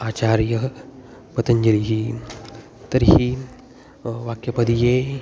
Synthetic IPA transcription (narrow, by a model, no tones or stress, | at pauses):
aːt͡ɕaːɾjə | pɐt̪ɐɲd͡ʒɐɾiɦi | t̪ɐɾhi | ʋakjɐpɐd̪ije